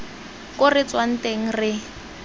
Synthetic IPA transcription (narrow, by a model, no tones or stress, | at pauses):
kʼʊrɪt͡swan̩teŋ̩rɪ